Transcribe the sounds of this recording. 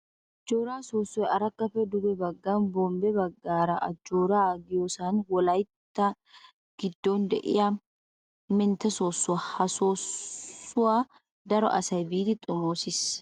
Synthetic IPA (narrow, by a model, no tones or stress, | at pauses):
ɐd͡ʒoːɾaːsoːsːʊɛɐɾɐkːɐfɛd̪ʊbɛbɐɡːaːnbɔmbɛbɐɡːaːɾɐʔɐd͡ʒoːɾaɡɪjoːsaːnwɔlɐjt̪ːɐ | ɡ̥ɪd̪ːo̞ːnd̪ɛ̰ʔɪ̰ja | mɛnt̪ɐsoːsːʊahɐsoː | ʊwaː | d̪ɐɾɔ̰ʔɐsɐjbiːt̪ɪt̪ʼʊmoːsɪs